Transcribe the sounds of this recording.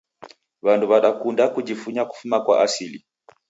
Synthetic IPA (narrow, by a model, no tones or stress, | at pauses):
βanduβaɗakundakud͡ʒifuɲaku̥fumakwa̰ʔasili